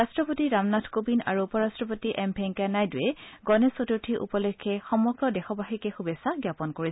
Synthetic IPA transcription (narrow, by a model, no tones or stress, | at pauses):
astɹɔpotiɹamnatʰkobina̰ɹuːpɔɹastɹɔpotiʔɛmpʰɛŋkanajdʊjɛɡɔnɛsotuɹtʰiʔṵpɔlekʰːɛxɔmɔɡɹɔdɛxɔbaɦikɛxubɛsaɡjapɔnkoɹi